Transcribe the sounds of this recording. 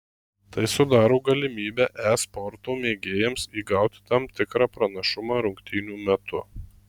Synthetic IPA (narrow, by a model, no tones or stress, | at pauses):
t̪ɐɪsʊd̪ɑːɾoːɡɐlʲɪmʲiːbʲɛʔæːspɔɾt̪oːmʲeːɡʲeːjɛmsiːɡɑʊt̪ʲɪ̥t̪ɐmt̪ʲɪkɾɑːpɾɐnɐʃʊmɑɾʊŋʲkt̪ʲiːnʲuːmʲɛt̪ʊ